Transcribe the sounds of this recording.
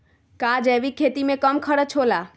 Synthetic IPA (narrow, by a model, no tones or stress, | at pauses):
kad͡ʒɛʋikʰːet̪imẽkəmkʰəɽət͡ʃʰoːla